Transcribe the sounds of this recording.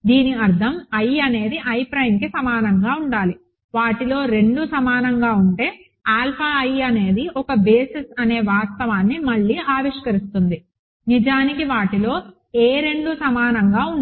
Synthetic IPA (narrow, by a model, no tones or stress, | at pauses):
d̪iːniɐɾd̪ʱɐmɐjɐne̞ːd̪iʔɐjpɾɐjmkisɐmaːnɐŋɡaːuɳɖaːli | ʋaːʈilo̞ːɾe̞ɳɖusɐmaːnɐŋɡaːuɳʈe̞ː | aːlpʰaːɐjɐne̞ːd̪iʔɔkɐbe̞ːsisɐne̞ːʋaːst̪ɐʋaːnːimɐɭːiːaːʋiʂkɐɾist̪und̪i | nid͡ʒaːnikiʋaːʈilo̞ː | eːɾe̞ɳɖusɐmaːnɐŋɡaːuɳ